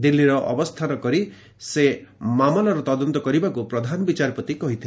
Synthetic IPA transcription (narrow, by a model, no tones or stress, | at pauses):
d̪ilːiɾɔʔɔ̰bɔst̪ʰanɔkɔɾi | semamɔlɔɾɔt̪ɔd̪ɔnt̪ɔkɔɾibakupɾɔd̪ʱanɔbit͡ʃaɾpɔt̪ikɔɦit̪ʰi